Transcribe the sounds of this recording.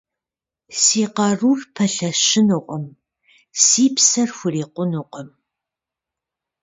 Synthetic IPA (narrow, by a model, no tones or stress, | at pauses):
siːqɐruːrpʰɐɬɐʃɪnuqʷʼɔm | siːpsɐrxʷʊriːqʷʊnuqʷʼɔm